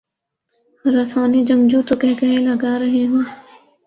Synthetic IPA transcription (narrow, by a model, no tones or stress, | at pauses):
hɐɾasaːnid͡ʒɐ̃ŋɡd͡ʒut̪okɛɦkɐɦẽlɐɡaːɾɐɦeɦõː